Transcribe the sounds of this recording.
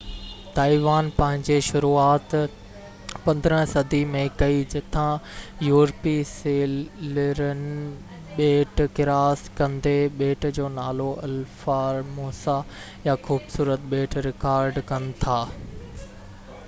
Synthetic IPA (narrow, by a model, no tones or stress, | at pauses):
t̪aːiʋaːnpɐ̃ɦɪ̃ɲd͡ʑeʃʊɾuːaːt̪ | pɐ̃nd̪ɾə̃sɐd̪imẽkɐid͡ʑɪt̪ʰãjuːɾpiseːlləɾənɪ̆ | ɓeːʈkɪɾaːskɐ̃nd̪eɓeːʈd͡ʑoːnaːloʔɐlfaːɾmoːsa | jaxuːbsuːɾət̪ɓeːʈʰɾɪkaːɾɖkɐnɪ̆t̪ʰaː